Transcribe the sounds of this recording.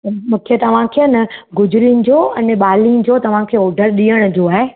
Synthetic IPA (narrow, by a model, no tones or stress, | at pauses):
t̪ɐmũːkʰet̪ɐʋ̤ãkʰenɐɡʊd͡ʑʊɾinɪ̆d͡ʑoːɐnɓaːlind͡ʑoːt̪ɐʋ̤ãkʰeːɔːɖəɾɗiːəɽ̃ʊ̆d͡ʑoːaːɦe